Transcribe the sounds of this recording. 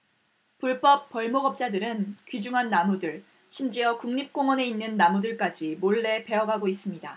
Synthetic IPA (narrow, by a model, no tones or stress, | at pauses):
puɭp͈ʌp̚p͈ʌɭmoɡʌp̚t͡ɕ͈adɯɾɯnkɥid͡ʑuŋɦanːamudɯɭ | ɕʰimd͡ʑiʌkuŋɲip̚k͈oŋwʌne̞inːɯnːamudɯɭk͈ad͡ʑimoɭːe̞pe̞ʌɡaɡois͈ɯmɲida